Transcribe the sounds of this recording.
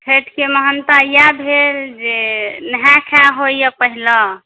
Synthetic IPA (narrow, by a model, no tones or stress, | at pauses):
pʰeʈkeməɦənt̪ajabʱeɾd͡ʒenəɦãkʰaɦojjəpəɦilə